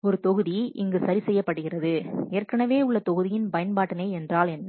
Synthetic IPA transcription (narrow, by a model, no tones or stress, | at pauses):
ɔɾɯt̪ɔɣɯðiʔɪŋɡɯsɐɾisɛjːɐpːɐɽɯɣɪrɐðɯeːrkɐnɐʋeːʊɭːɐt̪ɔɣɯðɪjɪnpɐjɐnpaːʈːɐnɐɪɛndraːlɛnː